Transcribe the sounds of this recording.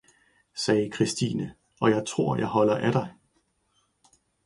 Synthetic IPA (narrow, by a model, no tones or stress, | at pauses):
sɛːkʰʁisd̥iːnə | ɒ̽jɑ̈ɪt͡sʰʁo̝ɐ̰jɑ̈ɪɦɒ̽l̰ɐʔæɾ̥ɑ̈ɪ